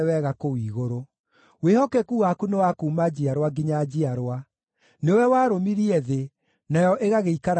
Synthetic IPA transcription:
wɛɣakoiːɣoɾo | wehɔkɛkuːwakunewakumad͡ʑiaɾwaɡiɲad͡ʑiaɾwa | neowɛwaːɾomiɾiɛðe | najɔʔeɣaɣeikaɾ

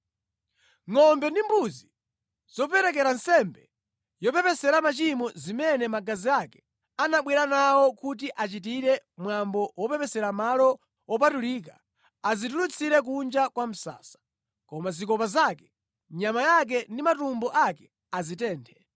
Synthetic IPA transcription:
ŋɔmbɛndimbuzi | z̥ɔp̬ɛɾɛk̬ɛɾansɛmbɛ | jɔpɛpɛsɛɾamat͡ʃimɔzimɛnɛmaɡaziakɛ̥ | anaɓwɛɾanawɔkut̬iʔat͡ʃitiɾɛmwambɔwɔpɛpɛsɛɾamalɔ | wɔp̬atulik̬a | azitulut͡sʰiɾɛk̬und͡ʒakwam̩sa̰ːsḁ | kɔmazikɔpazakɛ̥ | ɲamajak̬ɛndimatumbɔʔakɛ̥ | azitɛːntʰɛ̥

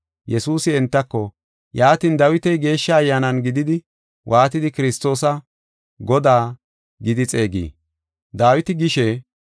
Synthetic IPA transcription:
jɛsuːsɪɛnt̪ːɐkːɔ | jaːt̪iːnd̪ɐwɪt̪ɛjɡe̞ːʃːɐːjːaːnɐnɡɪd̪ɪd̪ɪ | wʔaːt̪ɪd̪ɪkɪɾɪst̪o̞ːsɐ | ɡɔd̪aː | ɡɪd̪ɪt͡sʼe̞ːɡḭː | d̪aːwɪt̪ɪɡɪʃɛ

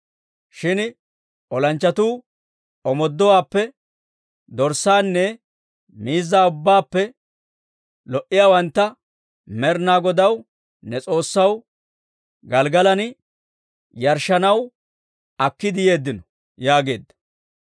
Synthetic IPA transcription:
ʃɪn | ʔɔlɐnt͡ʃːɐt̪uː | ɔmɔd̪ːɔwaːpːɛ | d̪ɔɾsːaːnːɛ | miːzːaːʊbːaːpːɛ | lɔʔɪjaːwɐnt̪ːɐ | mɛɾnaːɡɔd̪ɐw | nɛt͡sʼo̞ːsːɐw | ɡɐlɡɐlɐn | jɐɾʃɐnɐw | ɐkːɪd̪ɪje̞ːd̪ːɪnɔ | jaːɡe̞ːd̪ːɐ̥

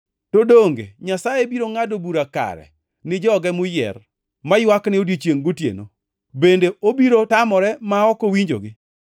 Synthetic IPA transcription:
todoŋɡḛɲasajebiɾoŋadobuɾaka̰ɾɛ̰ | nɪd͡ʒɔɡɛmʊjɛ̰r | majwaknɪodet͡ʃjeŋɡotjḛno | bendeobiɾotamɔɾɛmaɔkowiɲd͡ʒo̰ɡɪ

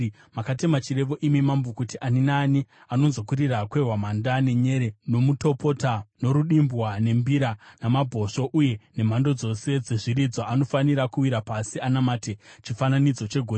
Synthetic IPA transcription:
makatemat͡ʃiɾe̞ʋo̞ʔimimambukutiʔaninaːni | ano̞nzo̞kuɾirakwe̞rwamandane̞ɲe̞ɾe̞no̞muto̞po̞tano̞ɾuɗimbwane̞mbiɾanamabʱo̞ʂo̞ʔuje̞ne̞m̤ando̞d͡zo̞se̞d͡ze̞ʐiɾid͡zoano̞faniɾakuwiɾapasianamaːtet͡ʃifananid͡zo̞t͡ʃe̞ɡʱore

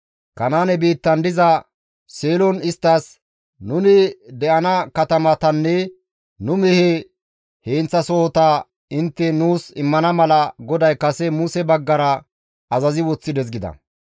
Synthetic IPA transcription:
kɐnaːnɛbiːt̪ːɐnd̪ɪzɐ | seːlɔnɪst̪ːɐs | nʊnɪd̪ɛʔɐnɐkɐt̪ɐmɐt̪ɐnːɛ | nʊmɛhe | heːnt͡sːɐsɔhɔt̪ɐ | ɪnt̪ːɛnuːsɪmːɐnɐmɐlɐɡɔd̪ɐjkɐsɛmʊsɛbɐɡːɐɾɐ | ɐzɐzɪwɔt͡sːɪd̪ɛzɡɪd̪ɐ̰

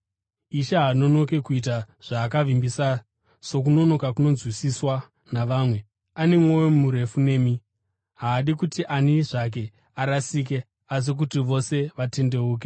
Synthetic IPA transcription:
iʃaɦano̞no̞ke̞kuit̬aʐ̥aːkaʋimbisa | so̞k̬uno̞no̞kakuno̞nzwisiswa | naʋaːmwe̞ | anemwowemumuɾe̞fune̞ːmi | ɦaːɗikutiʔaniʐak̬e̞ | aɾasiːk̬e̞ | as̬ik̬utiʋo̞se̞ʋate̞nde̞uːk̬e

